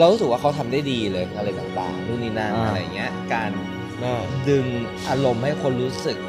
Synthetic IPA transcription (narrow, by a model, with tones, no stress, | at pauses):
la˧wɾu˦˥s̬k̚waː˥˩kʰa˦˥wt̪ʰa˧mda˥˩jdiː˧lɤː˧jm˧lɤː˧˩t͡ɕa˨˩ba̰ː˧˩luː˥˩ŋ̚niː˥˩na̰˥˩˧ŋːi˦˥ɐkaː˧nː˧˩ | dɯ˧ŋ | ʔaː˧ɾo˧mha˥˩jkʰo˧nɾuː˦˥sɯ˨˩k̚